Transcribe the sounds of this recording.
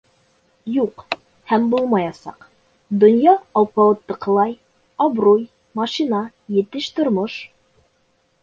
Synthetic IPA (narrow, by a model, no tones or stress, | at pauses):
juq | hæmbulˠmɑjɑsɑ̰q | d̪ŏnjɑɑwpɑwɤ̆t̪ːɤ̆qɤ̆lˠɑj | ɑbɾuj | mɑʃinɑ | jɘ̆t̪ɘʃt̪ŏɾmoʃ